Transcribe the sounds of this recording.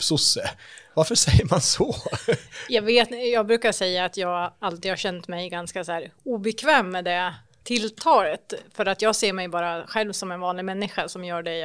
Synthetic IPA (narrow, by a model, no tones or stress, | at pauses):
psʊsːəvaɾfœʂɛjːəɾmansɔ | jɑːɡveːt̪jɑːɡ̚bɾʉ̟ːkaʂɛjːaːt̪jɑːɡalt̪iːd̪haɕɛnt̪mɛjɡanskasæːɾuːbɛkʰvɛːmːɛd̪ɛ | t̪ʰɪlːt̪ʰɑːlət̪fœɾat̪jɑːɡseːɾmɛjbɑːɾaɧɛlvsɔmɛnvɑːnlɪɡmɛnːɪɧasɔmjœːɖɛ